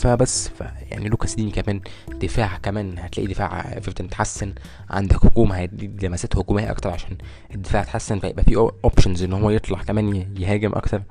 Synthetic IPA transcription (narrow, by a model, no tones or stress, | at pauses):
fæbæsːfæ̰ja̰ʕniluːkæsdiːmkæmæːn | d̪̥efaːʕkæmæːnhæt̪læːʔid̪efa̰ːʕfeɾt̪ænt̪ħasːen | ʕa̰nd̪ækhoɡuːmhælilæmæsæːt̪hoɡuːmejæʔɑ̰k̚t̪ɑɾˤʕaʃæːn | ed̪ːefaːʕt̪ħasːenfæjḛbʔæfiːʔʔopʃonzʔenːhowːæjet̪ˤlɑħkæmæːnjeɦæːɡemʔɑ̰kt̪ɑɾˤ